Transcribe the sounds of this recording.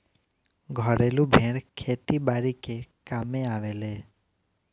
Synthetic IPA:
ɡʱɔɾelũbʱẽɽkʰet̪ibaːɾikekameaːʋeleː

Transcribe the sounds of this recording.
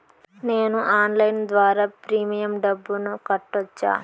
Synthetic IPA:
ne̞ːnuʔaːnlɐjnd̪ʋaːɾaːpɾiːmijɐmɖɐbːunukɐʈːɐt͡ʃːa̰ː

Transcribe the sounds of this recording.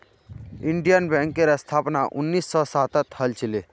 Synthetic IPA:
ɪɳɖijanbɛ̃ŋkeɾast̪ʰaːpnaʔʊnːiːsːɔsaːt̪ət̪hɐlt͡ʃʰile

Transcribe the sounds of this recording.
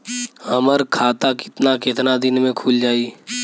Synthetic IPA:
ɐməɾkʰaːt̪akɪ̥t̪nakɪt̪nad̪ɪnmẽkʰuːld͡ʒaːiː

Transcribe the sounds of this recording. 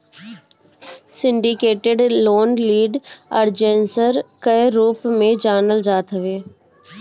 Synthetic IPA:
sɪ̃ɳɖɪkeːʈeɖloːnliːɖəɾd͡ʒẽnsəɾkəjɾuːpmẽd͡ʒaːnəld͡ʒaːt̪ɦəʋeː

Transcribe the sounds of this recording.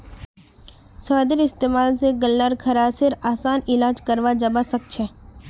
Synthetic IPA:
saːd̪ɪɾɪst̪eːmaːls̬eɡəlːəɾkʰɐɾasɪɾaːsaːnɪlaːd͡ʒkɐɾʋad͡ʒɐbasɐk̚t͡ʃʰɛː

